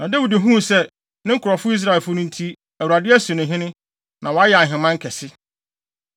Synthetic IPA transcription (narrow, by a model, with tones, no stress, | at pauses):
nã˨dæ˦wi˨dɪ˨ɦũ˦˨sɛ˦ | nɪ̃˦ŋ̩˦kʰʊ˨ɾɔ˨fʊ˦i˦s̬ɾa˦˨ɛ˨fʊ˦nʊ̃˦n̩˦tʰi˦ | æ˨wu˨a˨dɪ˦ɛ˦sʊ˨nʊ̃˨ɦɪ̃˦nʊ̃˦ | nʔã˨wɔ˨˦a˦jɛ˨a˨ɦɪ̃˨mã˦ŋ̩˦kʰɛ˨sɪ˦